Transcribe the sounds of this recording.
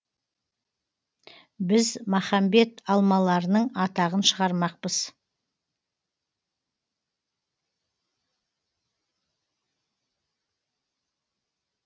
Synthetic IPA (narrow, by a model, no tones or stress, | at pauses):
bɪzmaχɑmbe̞t̪ɑlˠmɑlˠɑɾənəɴɑt̪ɑʁənʃəʁɑɾmɑq̚pəz̥